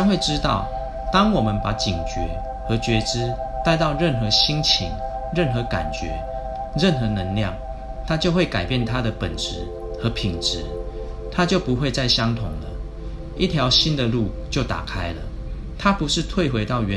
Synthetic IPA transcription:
nxwe˥˨ɪʈ͡ʂɻ̩˦t̪ɑ˥˨ʊ | t̪ɑ˦ŋwɔ˨˩mə˨˦npa˨˥˦t͡ɕi˨˩ŋt͡ɕɥɛ̰˨˦ | xə˨˥t͡ɕɥɛ˧˥ʈ͡ʂɻ̩˥ | t̪a˥˧ɪt̪ɑ˥˧ʊɻə˥˨nxɤ˨˥ɕi˦ŋt͡ɕʰḭ˧˦ŋɻə˥˨nxɤ˨˥˦ka̰˨˩nt͡ɕɥɛ̰˧˦ | ɻə˥˨nxɤ˧˦nə˧˦ŋljɑ̰˥˨ŋ | t̪ʰa˦t͡ɕjo˥˧ʊxwe˥˩ka˨˩ɪpjɛ˥˨nt̪ʰa˦d̪ə˨pə˨˩nʈ͡ʂɻ̩˧˦ | xə˨˦pʰi˨˩ŋʈ͡ʂɻ̩˧˦ | t̪ʰa˦˥t͡ɕjo˥˨ʊpu˨˦xwe˥˧ɪt͡sa˥˩ɪɕjɑ˦ŋt̪ʰʊ˧˦ŋlə̰˨˦ | ḭ˥˩t̪ʰjɑ˨˧˦ʊɕi˦nd̪ə˨lu˥˨t͡ɕjo˥˩ʊt̪a̰˨˩kʰa˦˥ɪlə̰˨ | t̪ʰa˦˥pu˨˦ʂɻ̩˥˧t̪ʰwe˥˨ɪxwe˧˥ɪt̪ɑ˥˩ʊɥɛ˨˦

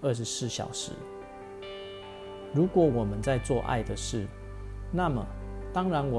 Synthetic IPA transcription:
ə˥˩ʂ̬ɻ̩˧˥sɹ̩˥˩˨ɕjɑ̰˨˩ʊʂɻ̩˨˧˦ | ɻu˨˥kwɔ˧˥˦wɔ˨˩mə˦nt͡sa˥˧ɪt͡swɔ˥˧ʔa̰˥˨ɪd̪ə˨ʂɻ̩˥˩ | na˥˨mə̰˩t̪ɑ˥ŋɻa˧˥nwɔ˨

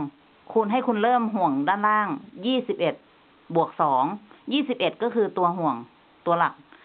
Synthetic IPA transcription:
ŋ | kʰu˧nɦa˥˩˨jkʰu˧nlɤː˥˩mɦu˨˩əŋdaː˧˩˨nlaː˧˥˩ŋjiː˥˩si˨˧˦p̚ʔe˨˩t̪̚ | bu˨˩ək̚sɔː˩˦ŋjiː˥˩si˧˦˩p̚ʔe˨˩t̪̚kɔː˥˩kʰɯː˧t̪u˧ɐɦu˨˩əŋ | t̪u˧ɐla˨˩k̚

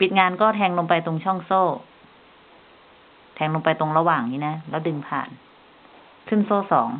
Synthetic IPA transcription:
pi˨˩t̪̚ŋaː˧nkɔː˥˩t̪ʰɛː˧ŋloː˧mpa˧jt̪o˧ŋt͡ɕʰɔ˥˩ŋsoː˥˩ | t̪ʰɛː˧ŋloː˧mpa˧jt̪o˧ŋɾa˧waː˨˩ŋniː˦˥na˦˥lɛː˦˥˩dɯ˧ŋpʰa̰ː˨˩n | kʰɯ˥˩˨nsoː˥˩sɔ̰ː˩˦ŋ

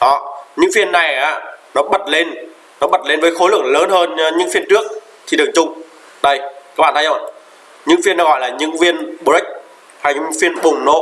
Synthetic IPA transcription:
ʔɔ˨˩˦ɲɨ̰˧˥ŋfi˧ənːa˨˩jʔaː˨˦nɔ˨˦ɓə˨˩t̚le˧nː | ɔ˨˦ɓə˨˩t̚le˧nvəː˨˦jxo˨˦lɨ˨˧˩əŋ̚ləː˨˦nhəː˧nɲɨ̰˧˥ŋfi˧ənt͡ɕɨ˦˥ək̚ | t̪ʰi˨˩ɗɨ˨˩ək̚t͡ɕʊ˧ŋ͡m | ɗə˧˩jka˦˥k̚ɓa̰˧˨t̪ʰːjzo̰˧˩˨n | ɲɨ̰˧˥ŋfi˧əna˨˦ɣɔ̰˧˨jlaː˨˩ɲɨ̰˧˥ŋvi˧ənɓo˧˩i˦˥k̟̚ | ha˧jɲɨ̰˧˥ŋfi˧ənɓʊ˨˩ŋ͡mno̰˧˥

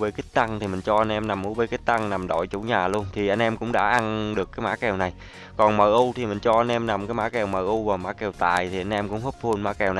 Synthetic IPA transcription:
vəː˧ki˦˥k̚t̪a˧ŋt̪ʰi˨˩mï˨˩ŋ̟t͡ɕɔ˧ʔa˧jnʔɛ˧mna˨˩mʔu˧˦vəː˧˩ki˦˥k̚t̪a˧ŋna˨˩mɗɔ̰˧˨jt͡ɕṵ˧˩ɲaː˨˩lu˧ənt̪ʰi˨˩ʔa˧jŋ̟ʔɛ˧mkʊ̰˧˥ŋ͡mɗa̰ː˧˥ʔa˧nɗɨ˨˩əkːaː˨˦jma̰ː˧˥kɛ˨˩wna˨˩j | kɔ˨˩nməː˨˩ʔʊ˧t̪ʰi˨˩mï˨˩ŋ̟t͡ɕɔ˧ʔa˧jnʔɛ˧mna˨˩mkaː˨˦jma̰ː˧˥kɛ˨˩wməː˨˩ʔʊ˧wvaː˨˩ma̰ː˧˥kɛ˨˩wt̪aː˨˩jt̪ʰi˨˩ʔa˧jŋ̟ʔɛ˧mkʊ̰˧˥ŋ͡mho˦˥p̚hʰu˧ənma̰ː˧˥kɛ˨˩wna˨˩

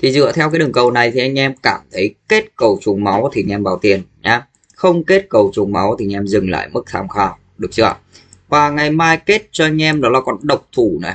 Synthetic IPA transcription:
t̪ʰi˨˩zɨ̰˧˨ət̪ʰɛ˧wkaː˨˦jɗɨ˨˩əŋkə˨˩wna˨˩jt̪ʰi˨ʔa˧ŋ̟ʔɛ˧mkaː˧˩mt̪ʰə˨˦jke˦˥t̚kə˨˩wt͡ɕʊ˨˩ŋ͡mma˨˦wt̪ʰi˨˧˩ʔɛ˧mvaː˨˩wt̪i˨˩ənɲaː˨˧ | xə˧wŋ͡mke˦˥t̚kə˨˩wt͡ɕʊ˨˩ŋ͡mma̰˨˦wt̪i˨˧ŋʔɛ˧mzɨ˨˩ŋla̰ː˧˨jmɨ˦˥k̚t̪ʰa̰ː˧mxaː˧w | ɗɨ˨˩ək̚t͡ɕɨ̰˧ə | vaː˨˩ŋa˨˩jmaː˧jke˦˥t̚t͡ɕɔ˧ʔa˧jŋ̟ʔɛ˧mɗɔ˨˦laː˨˩kɔ˨˩nɗə˨˩wk͡p̚t̪ʰu˧˩nɔ̰˨˦

